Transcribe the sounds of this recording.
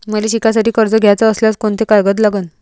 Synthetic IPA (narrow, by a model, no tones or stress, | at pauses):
m̤əleɕikas̬aʈiːkəɾd͡zəɡʱjat͡saːsljat͡skoɳt̪ekaɾɡət̪̬laɡən